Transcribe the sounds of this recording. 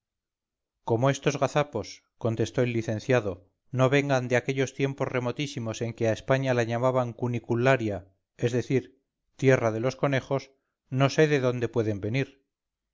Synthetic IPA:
ko̞mo̞e̞st̪o̞zɣaθapo̞s | ko̞nt̪e̞st̪o̞elːiθẽ̞n̟θjaðo̞ | no̞βe̞ŋɡand̪eakeʎo̞st̪je̞mpo̞zre̞mo̞t̪isimo̞se̞ŋke̞aespaɲalaɲamaβaŋkunikulaɾja | e̞zðe̞θiɾ | t̪je̞raðe̞lo̞sko̞ne̞xo̞s | no̞se̞ðe̞ðo̞nd̪e̞pwe̞ðe̞mbe̞niɾ

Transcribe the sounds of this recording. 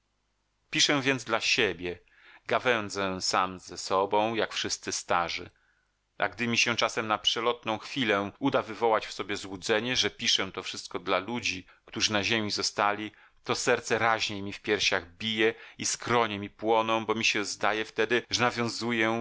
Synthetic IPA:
pʲiʂɛ̃vʲjɛnd̪zd̪laɕebʲjɛ | ɡavɛnd̪zɛ̃samzɛsɔbɔ̃w̃jakfʂɘst̪sɘst̪aʐɘ̰ | ʔa̰ɡd̪ɘmʲiɕɛt͡ʂasɛmnapʂɛlɔt̪nɔ̃w̃xfʲilɛud̪avɘvɔwat͡ɕfsɔbʲjɛzwud̪zɛɲɛʐɛpʲiʂɛt̪ɔfʂɘst̪̚kɔd̪lalud͡ʑi | kt̪uʐɨnaʑemʲizɔst̪alʲi | t̪ɔsɛɾt̪sɛɾaʑɲejmʲifpʲjɛɾɕaɣbʲijɛiskɾɔɲɛmʲipwɔnɔ̃w̃bɔmʲiɕɛzd̪ajɛft̪ɛd̪ɘʐɛnavʲjɔ̃w̃zujɛ

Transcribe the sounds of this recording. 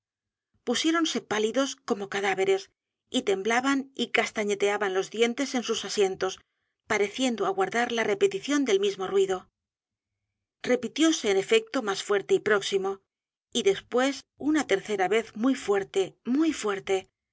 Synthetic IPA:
pusje̞ɾo̞nse̞paliðo̞sko̞mo̞kaðaβe̞ɾe̞s | it̪e̞mblaβanikast̪aɲe̞t̪e̞aβanlo̞zðje̞nt̪e̞se̞nsusasje̞nt̪o̞s | paɾe̞θje̞nd̪oaɣwaɾðaɾlare̞pet̪iθjo̞nd̪e̞lmizmo̞rwiðo̞ | re̞pit̪jo̞se̞ːne̞fe̞k̚t̪o̞masfwe̞ɾt̪e̞ipɾo̞ksimo̞ | iðe̞spwe̞sunat̪e̞ɾθe̞ɾaβe̞θmujfwe̞ɾt̪e̞mujfwe̞ɾt̪e̞

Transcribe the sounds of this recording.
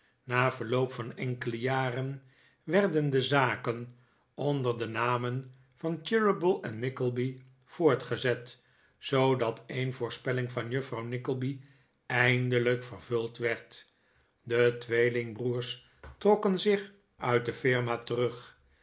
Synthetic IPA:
naːvəɹlowpfɑnɛŋkələjaːrən | ʋɛrdəndəzaːkən | ɔndəɹdənaːmən | v̥ɑntɪɹəbəlˠɛnːɪkəlˠbi | v̥ʊːɹtχəzɛt | zowdɑtʰejnvʊːɹspɛlɪŋvɑnjɵfrɑwnɪkəlˠbi | ɛjndələkfərvɵlˠtʋɛɹt | dətʋejlɪŋbruːɹs | trɔkənzɪχ | ʔœɥt̚dəfɪɹmaːtərɵχ

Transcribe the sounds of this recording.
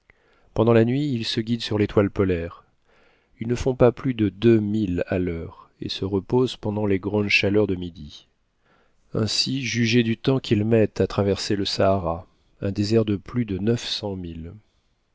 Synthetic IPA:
pɑ̃d̪ɑ̃lanɥiːlsəɡʲid̪syʁlet̪walpɔlɛʁ | ilnəfɔ̃paplyd̪əd̪ømila̰lœʁ | ḛsəʁəpozpɑ̃d̪ɑ̃leɡʁɑ̃d̪ʃalœʁd̪əmid̪i | ɛ̰̃siʒyʒed̪yt̪ɑ̃kʰʲilmɛt̪at̪χavɛʁseləsaːʁa | ɛ̃d̪ezɛʁd̪əplyd̪ənœfsɑ̃mil

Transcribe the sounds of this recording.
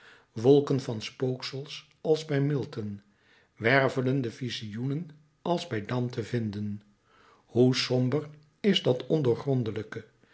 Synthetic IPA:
ʋɔlˠkənvɑnspowksəlˠs | ɑlˠzbɛjmɪlˠtən | ʋɛrvələndəvizijunən | ɑlˠzbɛjdɑmtəvɪndən | husɔmbər | ɪzdɑtɔndəɹχrɔndələkə

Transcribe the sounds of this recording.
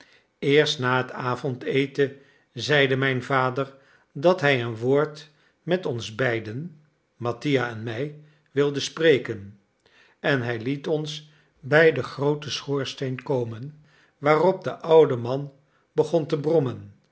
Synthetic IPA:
ɪːɹstnaːɦətaːvɔntejtə | zɛjdəmɛjnvaːdəɹ | dɑtɦɛjənʋoːɹt | mɛtɔnzbɛjdən | mɑtijaɛnmɛj | ʋɪlˠdəsprejkən | ɛnɦɛjlitɔns | bɛjdəχrowtəsχʊːɹstejnkowmən | ʋaːrɔb̚dəʔʌwdəmɑn | bəχɔntəbrɔmən

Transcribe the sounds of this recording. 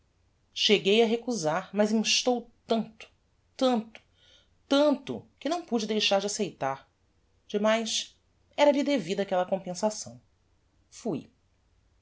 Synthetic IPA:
ʃeɡejɐɦekuzaɾmɐzĩʃt̪owt̪ɐ̃nt̪ʊ̥ | t̪ɐ̃nt̪ʊ̥ | t̪ɐ̃nt̪ʊ̰kɪnɐ̃w̃pud͡ʒɪd̪ejʃaɾd͡ʒɪasejt̪aɾ | d͡ʒɪmajs | ɛɾɐlid̪evid̪ɐːkɛlɐkõpẽsasɐ̰̃w̃ | fuj

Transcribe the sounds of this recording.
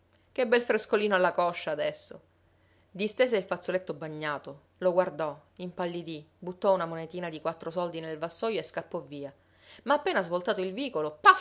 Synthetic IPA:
kebːɛlfɾeskoliːnolːakɔʃːaːd̪ɛsːo | d̪ist̪eːseilfat̪sːolet̪ːobaɲːaːt̪o | loɡward̪ɔ | impalːid̪ibut̪ːɔunamonet̪iːnad̪ikwat̪ːɾosɔld̪inelvasːɔːjoeskapːɔvːiːa | maːpːeːnazvolt̪aːt̪oilviːkolopa

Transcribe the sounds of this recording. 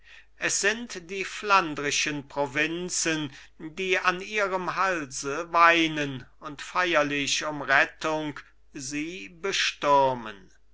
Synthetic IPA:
ʔɛsz̥ɪntd̥iːflandʁɪʃənpʁ̥ovɪnt͡sən | diːaniːʁəmɦalzəvaɪnənʊntfajɐlɪʃʊmʁɛtʊŋk | ziːbəʃtʊʁmə̰n

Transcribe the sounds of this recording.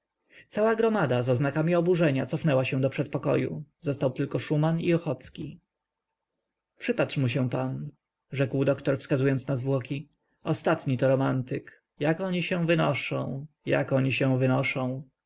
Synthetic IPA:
t̪sawaɡɾɔmad̪azɔznakamʲiɔbuʐɛɲat̪sɔfnɛwaɕɛ̃w̃d̪ɔpʂɛt̪̚pɔkɔ̰jṵzɔst̪awt̪ɘlkɔʂumaniɔxɔt̪skʲi | pʂɘpatʂmuɕɛ̃pan | ʐɛkwd̪ɔkt̪ɔɾfskazujɔnt̪snazvwɔkʲi | ɔst̪at̪ɲit̪ɔɾɔmant̪ɘk | jakɔɲiɕɛ̃w̃vɘnɔʂɔ̰̃w̃ | ja̰kɔɲiɕɛ̃w̃vɘnɔʂɔ̃w̃

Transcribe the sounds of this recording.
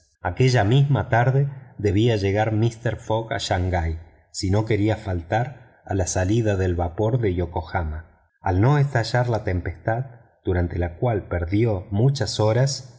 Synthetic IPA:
a̰ke̞ʒamizmat̪aɾðeðe̞βiaʒe̞ɣaɾmist̪eɾfoɣa̰ʃaŋɡaj | sino̞ke̞ɾiafalt̪aɾ | alasaliðaðe̞lβapo̞ɾðe̞jokoxama | alno̞est̪aʒaɾlat̪e̞mpe̞st̪að | d̪̥uɾant̪elakwalpeɾðjo̞mut͡ʃaso̞ɾas

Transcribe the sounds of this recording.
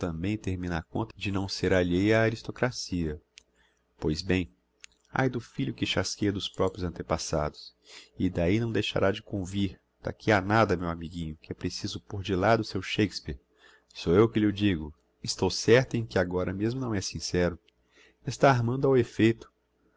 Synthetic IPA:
t̪ɐ̃mbẽj̃t̪eɾmĩnakõnt̪ɐd͡ʒɪnɐ̃w̃seɾaʎejaːɾist̪okɾasiɐ | pojzbẽj̃ | a̰jd̪ʊfiʎʊkɪʃaskejɐd̪ʊspɾɔpɾjʊzɐ̃nt̪epasa̰d̪ʊsɪd̪ainɐ̃w̃d̪ejʃa̰ɾʔad͡ʒɪkõviɾ | d̪̥a̰kʰianad̪ɐmewamiɡĩɲʊkɪɛpɾesizʊpoɾd͡ʒɪlad̪ʊsewʃejkspiɾ | soewkɪʎɪʊd͡ʒiɡʊ | ɪst̪owsɛɾt̪ɐẽkɪaɡɔɾɐmezmʊnɐ̃w̃ɛsĩsɛɾʊ | est̪aːɾmɐ̃nd̪ʊawefejt̪ʊ̥

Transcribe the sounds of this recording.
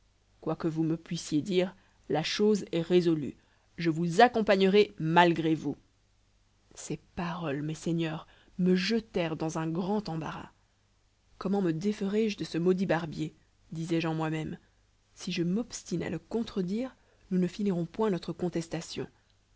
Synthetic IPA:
kwakəvuməpɥisjed̪iːʁ | laʃozɛʁezɔly̰ | ʒəvuzakɔ̃paɲəʁɛmalɡʁevu | sepaʁɔlmɛseɲœːʁ | məʒət̪ɛʁd̪ɑ̃zɛ̃ɡʁɑ̃t̪ɑ̃ba̰ʁa̰ | kɔmɑ̃məd̪efəʁɛʒd̪əsəmɔd̪ibaʁbje | d̪izɛʒɑ̃mwamɛm | siʒəmɔpst̪ina̰ləkɔ̃t̪χəd̪iːʁ | nunəfiniʁɔ̃pwɛ̃nɔt̪χəkɔ̃t̪ɛst̪asjɔ̰̃

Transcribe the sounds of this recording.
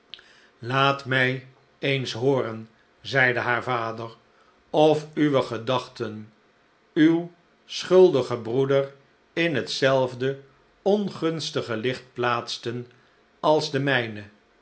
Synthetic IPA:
laːtmɛj | ejnsɦʊːɾən | zɛjdəɦaːɹvaːdəɹ | ɔfyʋəχədɑχtən | yw | sχɵlˠdəχəbrudər | ɪnɦətsɛlˠvdə | ɔnχɵnstəχəlɪχt̚plaːtstən | ɑlˠzdəmɛjnə

